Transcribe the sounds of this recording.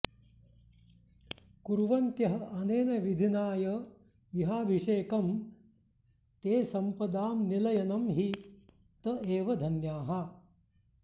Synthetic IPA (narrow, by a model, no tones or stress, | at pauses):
kuɾʋɐnt̪jɐɦɐʔɐneːnɐʋid̪ʱinaːjɐ | iɦaːʋʱiʂeːkɐm | t̪eːsɐmpɐd̪aːmnilɐjɐnɐmɦi | t̪ɐʔeːʋɐd̪ʱɐnjaːɦɐ